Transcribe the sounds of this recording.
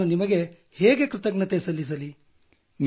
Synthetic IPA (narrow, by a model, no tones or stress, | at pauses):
unimɐɡe̞ | heːɡe̞kɾɨt̪ɐɡnɐt̪esɐlːis̬ɐli | n